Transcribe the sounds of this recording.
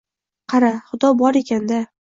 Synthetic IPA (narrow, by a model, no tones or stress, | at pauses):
qʰɑɾaχʊd̪ɒbɒɾe̞kʲand̪a